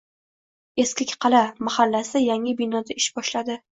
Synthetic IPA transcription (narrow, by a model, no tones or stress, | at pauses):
e̞skʲɪkʲqʰɑlamahalːasɪjaŋɪbɪnɒd̪aɪʃbɒʃlad̪ɪ